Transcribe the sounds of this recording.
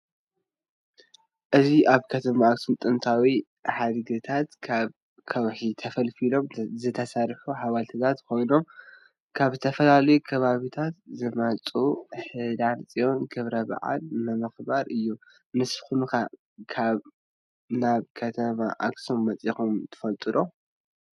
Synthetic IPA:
ʔɨziʔaβkʰɐt̪ʰɐmaːksumt̪ʼɨnt̪ʰawi | ħad̪ɨɡɨt̪ʰat̪kʰaβ | kʰɐwħit̪ʰɐfɐlfilo̞mzɨt̪ʰɐsaɾħuħaβalt̪ʰɨt̪ʰat̪kʰo̞jno̞m | kʰaβzɨt̪ʰɐfɐlalɐjukʰɐβaβit̪ʰat̪̚zɨmɐt͡sʼuħɨd̪ansʼijo̞nɡɨβɾɐba̰ʕa̰lnɨmɨxbaɾɨjːu | mɨsxunka | kʰaβ | naβkʰɐt̪ʰɐmaʔaksumːɐt͡sʼixumt̪ʰɨ̥fɐlt̪ʼɨɾo

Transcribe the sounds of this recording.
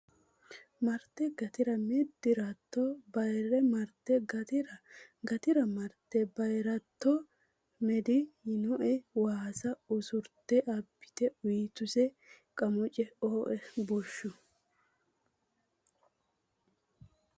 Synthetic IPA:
mɐɾt̪ːɛɡɐt̪ɪɾɐmɛd̪ɪɾɐt̪ːɔbɐjrɛmɐɾt̪ːɛɡɐt̪ɪɾɐɡɐt̪ɪɾɐmɐɾt̪ːɛbɐjɾɐt̪ːɔ | mɛd̪ɪɪnɔʔɛwaːsɐʊsʊɾt̪ːɛʔɐbːɪ̥t̪ɛʊjt̪ʊsɛ | kʼɐmʊt͡ʃʼɛoːʔɛbɔʃːʊ

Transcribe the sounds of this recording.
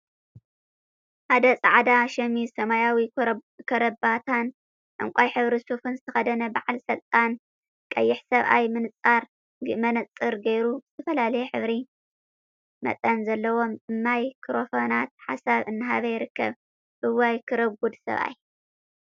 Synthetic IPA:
ʔad̪ɐt͡sʼaʕad̪aʃɐmisɐmajawikʰɐɾɐbat̪ʰan | ʔɨ̰ŋkʷʼajħɨβɾisufɨnzɨt̪ʰɐxɐd̪ɐnɐbaʕalsɐlt̪ʼan | kʼɐ̰jːɪħsɐβʔa̰jmɨnɨt͡sʼːaɾ | mɐnɐt͡sʼːɨɾɡɐjɾubzɨt̪ʰɐfɐlalɐjɛħɨβɾi | mɐ̰t̪ʼɐnzɐlːɐwo̞mɨmːajkʰɨɾofonat̪̚ħa̰saβɨnːɨɦa̰βɐjɪɾɨkːɐ̰β | ʔɨwajkʰɨɾɐɡud̪sɐ̰βʔa̰j

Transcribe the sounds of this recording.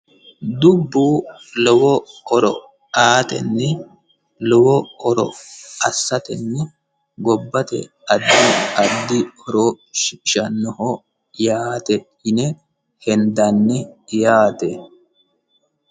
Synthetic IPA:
d̪ʊbːuːlɔwɔɔɾɔ̰ | aːt̪ɛ̰nːɛ | lɔwɔɔɾɔ̰ɐsːɐt̪ɛnːɛ | ɡɔbːɐt̪ɛ̰ | ɐd̪ːiɐd̪ːɪhɔɾo | ʃɪɪʃɐnːɔhɔ | jaːt̪ɛ | ɪnɛ | hɛnd̪ɐnːɛjaːt̪ɛ

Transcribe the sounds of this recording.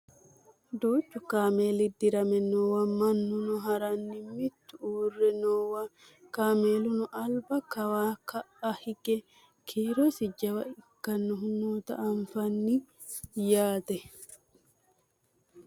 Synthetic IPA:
d̪oːt͡ʃːʊkaːmeːlɪd̪ɪɾɐmɛnoːwɐmɐnːʊnʊɦɐɾɐnːɪmɪt̪ːʊuːrːɛnoːwa | kaːmeːlʊnʊʔɐlbɐkɐwakɐʔɐhɪkʼɛ | kʰiːɾɔsɪd͡ʒɐwɐɪkːɐnːʊɦʊnoːt̪ɐ̰ʔɐɱfɐnːɪ | jaːt̪ɛ

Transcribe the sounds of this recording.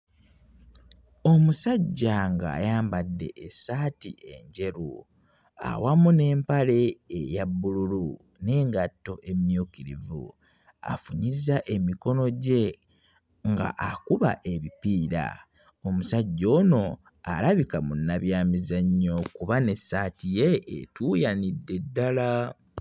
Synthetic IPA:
omusaɟːaŋɡa̰ːjaːmbadːe̞̰ːsaːtḭʔe̞̰ɲɟe̞ɾu | a̰wamune̞ːmpale̞ːjabːululu | ne̞ːŋɡatːo̞ʔe̞mjukiɾḭvṵ | a̰fuɲizaʔe̞miko̞no̞ɟe̞ | ŋɡa̰ʔakuβa̰ʔe̞βipiːɾa̰ | omusaɟːo̞ːno̞ | alaβikamunːaβjaːmizaɲːo̞kuβane̞sːatije̞̰ːtujanidːe̞dːala

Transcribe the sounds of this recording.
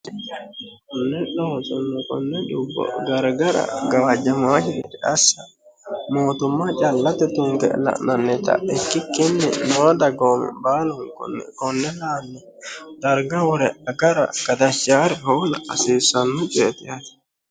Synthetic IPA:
kɔnːɛɗɔsɔnːɛkɔ̰nːɛɗubːɔ̰ɡaɾɡaɾa̰ɡawad͡ʒamahiidɛasa | moːt̪umat͡ʃalːat̪ɛt̪uŋkɛ̰la̰nanːɛt̪a̰ɛkːikːinːḭnɔːdaɡɔmɛ̰baːluŋkɔ̰nkɔnːɛlanːɛ | daɾɡawɾɛaɡaɾa̰kad̪aʃt͡ʃaɾɛhɔwla̰a̰sisanːut͡ʃɛt̪ɛat̪i̥

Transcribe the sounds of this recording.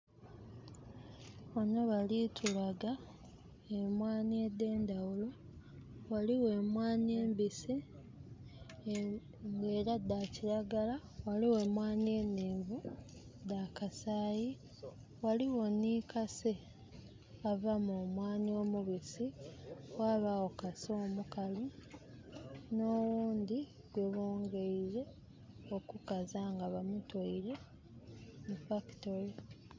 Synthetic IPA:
βano̞βalitʰulaɡa | e̞mwaːniede̞ːnd̪awulo̞ | waliwe̞mwaːnie̞ːmbisi | ŋɡe̞ːɾadaciɾaɡala | waliwe̞ːmwaːnie̞nːeːɱvu | d̪akasaːji | waliwo̞niːkase | avamumwaːnio̞muβisiwaːβawokaso̞mukalu | no̞wuːndi | ɡwe̞βoːŋɡe̞iɾe̞ | okukazaŋɡaβamutoiɾe̞ | mufaki̥toɾe

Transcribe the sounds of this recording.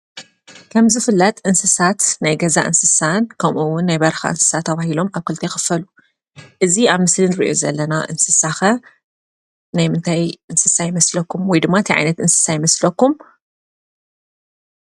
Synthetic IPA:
kʰɐmzɨfɨlːɐt̪ʼʔɨnsɨsat̪najɡɐza̰ʔɨ̰nsɨsankʰɐmʔuwʊnːajbɐɾɐxa̰ʔɨnsɨ̥sat̪ʰːɐβahilo̞maβkʰɨlt̪ʰexɨ̥fɐlu | ʔɨziaβmɨslɨnɨɾiʔjo̞̰zɐlːɐnaʔɨnsɨsaxɐ | najmɨnt̪ʰajʔɨnsɨsajɪmɐslɐkʰːumwɔjd̪ɨmːaɨt̪ʰiʕa̰jnɐt̪ʔɨnsɨ̥sajɪmɐslɐkːum

